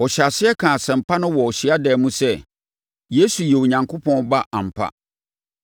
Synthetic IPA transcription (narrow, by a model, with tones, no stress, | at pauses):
ɔ˨ɕa˨sɪ˦ɛ˦kʰãː˨sɛ̃˨m̩˨pʰa˦nʊ̃˦wɔ˨ɔ˨ɕi˦a˦dɛː˨mũ˦sɛ˦ | je˦su˨jɛ˨wo˨ɲã˨ŋkʰo˦pʰɔ̃˦nba˦ʔa˨m̩˨pʰa̰˦